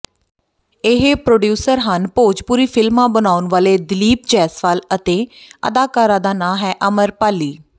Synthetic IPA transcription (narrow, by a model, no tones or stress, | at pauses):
ɪɦepɾoːɖjuːsəɾɦənpoːd͡ʒpuːɾiːpʰɪlmãːbənaːʊnʋaːleːd̪ɪliːp̚t͡ʃɛːsʋaːlət̪eːə̰d̪aːkaːɾãːd̪aːnãːɦɛːʔəməɾpaːliː